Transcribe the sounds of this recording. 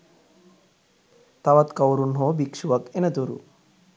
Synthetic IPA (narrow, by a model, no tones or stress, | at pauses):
t̪ɐʋɐt̪kɐwɾunɦoːbikʂuʋɐkenɐt̪uɾṵ